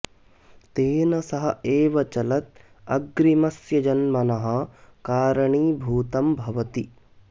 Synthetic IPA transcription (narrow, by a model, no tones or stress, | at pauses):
t̪eːnɐsɐɦɐeːʋɐt͡ʃɐlɐt̪̚ | ɐɡɾimɐsjɐd͡ʒɐnmɐnɐɦɐ̆kaːɾɐɳiːbʱuːt̪ɐmbʱɐʋɐt̪i